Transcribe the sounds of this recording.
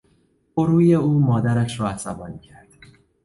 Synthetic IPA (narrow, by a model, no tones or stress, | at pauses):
boɾuːje̞uːmɒːd̪æɾæʃɾɒːæsæbɒːncʰæɾd̪̥